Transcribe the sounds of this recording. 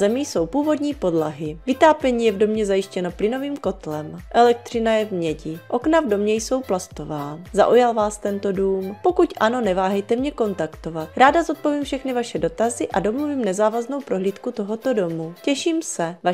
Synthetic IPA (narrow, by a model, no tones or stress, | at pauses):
zɛmijso̞wpuːvo̞dɲiːpo̞dlaɦɪvɪt̪aːpɛɲiːjɛvdo̞mɲɛzajɪʃcɛno̞plɪno̞viːmko̞t̪lɛmʔɛlɛk̚t̪r̝̥ɪnajɛvmɲɛɟɪʔo̞knavdo̞mɲɛjso̞wplast̪ovaːza̰ʔujalvaːst̪ɛnt̪o̞duːmpo̞kucʔano̞nɛvaːɦɛjt̪ɛmɲɛko̞nt̪akt̪o̞vat̪̚ɾaːdazot̪̚po̞viːmfʃɛxnɪvaʃɛdo̞t̪azɪʔado̞mluviːmnɛzaːvazno̞wpɾo̞ɦliːt̪kut̪o̞ɦo̞t̪o̞do̞mucɛʃiːmsɛva